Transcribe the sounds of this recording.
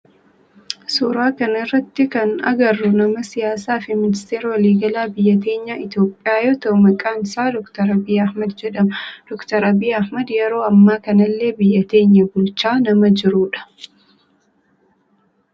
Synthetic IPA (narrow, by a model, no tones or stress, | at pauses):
suːɾaːkɐnɐɪrːɐt̪ːɪkɐnɐ̰ɡɐrːʊnɐmɐsɪjaːs̬aːfɪmɪnɪst̪eːɾɐwɐliːɡɐlaːbɪjːɐt̪e̞ːɲːaːʔɪt̪jo̞ːpʼːɪjaːjoːt̪ɐʔʊmɐkʼaːnsaːd̪ɔkt̪ɐɾɐbiːɐhmɐd̪d͡ʒɛᶑɐmɐd̪̥ɔkt̪ɐɾɐbiːɐhmɐd̪jɛɾo̞ːɐmːaːkɐnɐlːe̞ːbɪjːɐt̪e̞ːɲːɐɡʊlt͡ʃːaːnɐmɐd͡ʒɪɾuːᶑɐ̥